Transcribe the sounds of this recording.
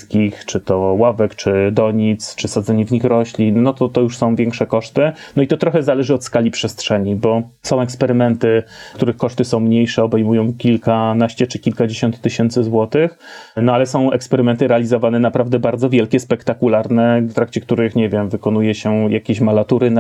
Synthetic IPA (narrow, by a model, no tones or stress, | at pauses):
kʲixt͡ʂɘt̪ɔwavɛkt͡ʂɘd̪ɔɲit̪st͡ʂɘsad̪zɛɲɛvɲixɾɔɕlʲinːɔt̪ɔt̪ɔjuʂsɔ̃w̃vʲjɛŋkʂɛkɔʂt̪ɘnɔit̪ɔt̪ɾɔxɛzalɛʐɘɔt̪skalʲipʂɛst̪ʂɛɲibɔsɔ̃w̃ɛkspɛɾɘmɛnt̪ɘkt̪uɾɘxkːɔʂt̪ɘsɔ̃w̃mɲejʂɛɔbɛjmujɔ̃w̃kʲilkanaɕt͡ɕɛt͡ʂɘkʲilkad͡ʑeɕɔnt̪ːɘɕɛnt̪sɘzwɔt̪ɘxnɔalɛsɔ̃w̃ɛ̰kspɛɾɘmɛnt̪ɘɾɛalʲizɔvanɛnapɾavd̪ɛbaɾd̪zɔvʲjɛlkʲɛspɛkt̪akulaɾnɛft̪ɾakt͡ɕɛkt̪uɾɘxɲɛvʲjɛmvɘkɔnujɛɕɛjakʲeɕmalat̪uɾɘna